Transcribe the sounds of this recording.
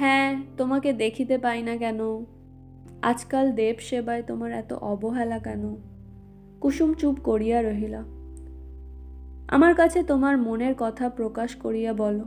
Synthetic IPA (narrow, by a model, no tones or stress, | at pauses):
hɦɛ̃t̪omaked̪ekʰit̪epajnakɛno | a̰d͡ʑkald̪ebʃebaet̪omaɾɛ̰t̪o̰ʔɔboɦɛlakɛno | kuʃumt͡ɕupkoɾijaɾoɦila | a̰maɾkat͡ɕʰet̪omaɾmoneɾkɔt̪ʰapɾokaʃkoɾijabɔlo